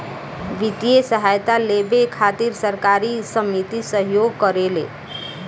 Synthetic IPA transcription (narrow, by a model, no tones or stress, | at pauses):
ʋit̪ijesəɦajt̪alebekʰat̪iɾsəɾkaɾisəmnit̪isəɦjoɡ̚kəɾelḛ